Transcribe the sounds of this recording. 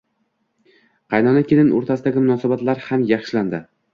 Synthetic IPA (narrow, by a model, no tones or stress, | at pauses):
qʰɑjnɒnakʲʰelɪnʔo̰ɾt̪ʰasɪd̪aɡʲɪmʊnɒsabat̪laɾhamjɑχʃland̪ɪ